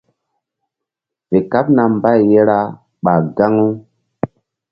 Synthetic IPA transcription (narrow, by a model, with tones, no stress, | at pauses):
ve˨ka˦p̚na˨mba˦jːe˦ɾa˦ | ɓa˨ɡa˦ŋu˦